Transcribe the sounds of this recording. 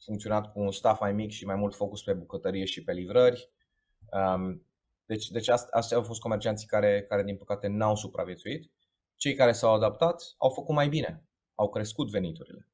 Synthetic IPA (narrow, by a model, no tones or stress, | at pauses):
fuŋkt̪sio̞nat̪kuːnst̪afmajmikʃimajmult̪fo̞kuspe̞bukət̪əɾije̞ʃipe̞livɾərʲ | ə | d̪̥e̞t͡ʃʲd̪e̞t͡ʃast̪ast̪awfo̞st̪ko̞me̞rt͡ʃiant̪si̥kaɾe̞kaɾe̞d̪inpə̥kat̪e̞nawsupɾʔa̰vje̞t̪suit̪ | t͡ʃe̞jkaɾe̞sawad̪ap̚t̪at̪a̰wfəkut̪majbine̞ | awkɾe̞skut̪ve̞nit̪uɾḭle̞